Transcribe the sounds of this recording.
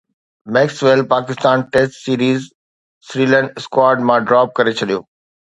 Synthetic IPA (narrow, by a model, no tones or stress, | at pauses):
mɛːksʋelpaːkɪst̪aːnʈesʈsiːɾiːz | sɾiːlə̃ɳʈɪskwaːɾɖmãɖɾaːp̚kɐɾet͡ɕʰɐɗijoː